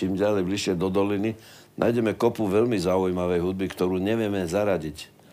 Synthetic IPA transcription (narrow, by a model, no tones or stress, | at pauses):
imɟalɛjbliʃɪɛd̪ɔd̪ɔlini | na̰jɟɛmɛkɔpuʋɛʎmizaujmaʋɛjɦud̪̚bikt̪ɔɾuːɲɛʋɪɛmɛzaɾaɟic